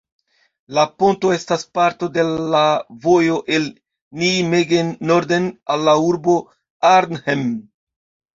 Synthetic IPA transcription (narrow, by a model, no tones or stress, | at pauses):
lapo̞nto̞e̞staspaɾto̞de̞lavo̞jo̞ʔe̞l | nimeɡenːoɾdenalːauɾbo̞ | aɾnhem